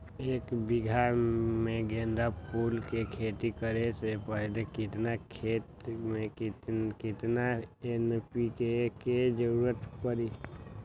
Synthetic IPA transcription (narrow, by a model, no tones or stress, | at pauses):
eːkbɪɡʱaɾmẽɡẽːnd̪apuːlkekʰeːt̪ikəɾesepəɦlekɪt̪nakʰeːt̪mẽkkɪt̪naenpikeked͡ʒəɾuɾət̪pəɾi